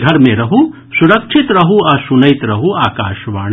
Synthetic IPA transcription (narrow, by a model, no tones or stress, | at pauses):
ɡʱɐɾmẽɾɐɦu | suɾɐkʃʰɪt̪ɾɐɦuɐsunɐjt̪ɾɐɦuaːkaːʃʋaːɽ̃